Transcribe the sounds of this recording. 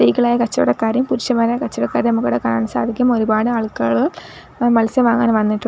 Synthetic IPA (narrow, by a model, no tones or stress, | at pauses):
ijkːɐɭaːjɐkɐt͡ɕːɐjuɽekaːɾjɐmpuɾuʂjɐmaːɾajɐkɐt͡ɕːɐjuɽekaːɾɐnɐmukːoːɽekaːɳaːɳɨsa̰ːd̪ʱikʲːumoɾubaːɽɨaːɭkːaːɭɨ | mɐlɐsjɐmʋaːŋːaːnʋɐnːiʈːu